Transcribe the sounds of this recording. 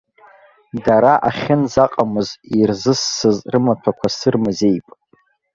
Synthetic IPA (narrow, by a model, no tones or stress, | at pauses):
daɾaʔaχʲɪnzaqʼamɨzirzɨsːɨzrɨmatʰakʷʰasɨrmɨzejpʼ